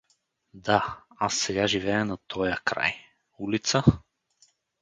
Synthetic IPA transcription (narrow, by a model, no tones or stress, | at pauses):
d̪aasːɛɡaʒivɛɛnat̪ʰɔjakɾa̰j | ulit̪sa